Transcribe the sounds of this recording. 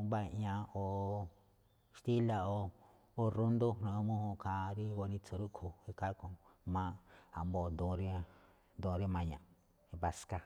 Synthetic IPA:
ba˦i˧˨ʔã˧o˧˨ | ʃt̪i˦la˧o˧ | o˦ɾu˦nd̪o˦nõ˧mũ˦hũ˧kʰa˧ɾi˦wo˧nĩ˧t͡so˧ɾu˦ʔkʰo˨i˦ka˦kõ˧˨mã˦a˨mbo˨nd̪õ˧ɾi˦ | nd̪õ˧ɾi˦mã˧ɲã̰˨˧ | βa˧ska˦

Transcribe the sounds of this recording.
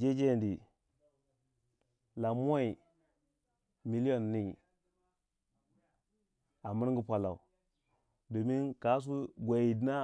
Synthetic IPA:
d͡ʒe˦d͡ʒe˦˨ndi˨ | la˨m˦o˦i˨ | mi˨˦li˦jo˦nːi˦˨ | a˨mi˦ɾŋ˦ɡi˦pʷa˨la̰˨u˨ | do˨mi˦nka˨˦s̬u˦ɡʷa˨i˨dna˦

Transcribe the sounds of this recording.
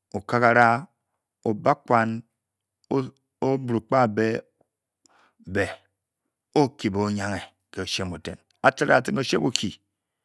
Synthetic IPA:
o˨ka˦ka˨ɾa˦ | o˨ba˦kʷa˦˨n˦ | o˦bu˨ɾu˨k͡pa˦˨be˦˨ | be˨ | o˦ki˨bo˨o˨˦ɲa˦ŋe˨ | ke˨o˨ʃe˦mo˨tḛ˨n | a˨t͡ʃa˦ɾa̰˦˨a˨ti˦n˦o˦ʃe˦bu˨kʰi˨

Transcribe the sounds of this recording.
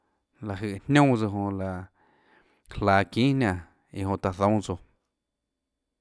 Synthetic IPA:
la˨ɦɨ˧˨ʔhnʲõ˦t͡so˧ɦõ˧la˨ | klaː˨kĩː˦hnã˧˨ | i˧˨ɦõ˧ʔt̪a˨θõ˨˦t͡so˧˨

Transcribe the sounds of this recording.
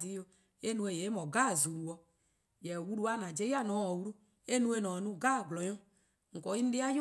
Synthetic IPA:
di˦jo˦ | e˦nũ˦e˨je˨˦mɔ˨ɡa˦˨zu˨ɾu˨wɔ˦ | jɛ˨wu˦ɾu˦a˦nã˨d͡ʒe˦ja˦˨nɔ˨˦ɔ˨wu˦ɾu˦ | e˦nũ˦e˦nɔ˨nũ˦ɡa˦˨ɡlɔ˨jɔ̃˦ | ŋ̩˨kɔ˨i˦n̩˦de˦a˦jo˦

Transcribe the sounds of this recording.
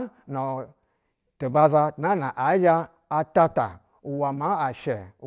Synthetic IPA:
no˨ | to˨ba˧za˧tna˨˦na˨ʔa˨˦d͡ʒaː˧ | ta˧ta̰˨ | u˨wa˨ma˦a˨ʃe˨˦

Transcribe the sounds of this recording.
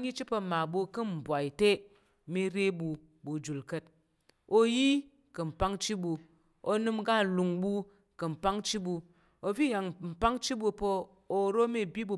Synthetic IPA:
ɲi˦t͡ʃi˦pə˧ma˨bu˧kɨ˦m̩˨bʷa˨i˨te˦ | mi˦ɾe˦bu˧ | bu˨d͡ʒu˨lkə˦t̚ | o˧ji˦ | kɨ˨m̩˨pa˦ŋt͡ʃi˦bu˧ | o˧nɨ˧mɡa˦˨lu˨ŋbu˧ | kɨ˨m̩˨pa˦ŋt͡ʃi˦bu˧ | o˧vi˦˨ja˨ŋm̩˨pa˦ŋt͡ʃi˦bu˧po˧ | o˧ɾo˦mi˦˨bʲi˦bu˧˨

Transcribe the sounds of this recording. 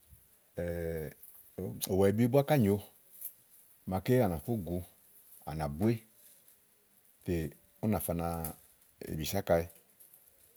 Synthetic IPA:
ɛ˨ | o˨wɛ˨i˨bi˦bu˦a˦ka˦˨ɲo˧ | ma˧ke˦a˨na˨fu˦ɡu˧ | a̰˨na˨bu˦e˦ | te˨ | u˦na˨fa˧na˧ | ḛ˨bi˨sa˦ka˧i˦

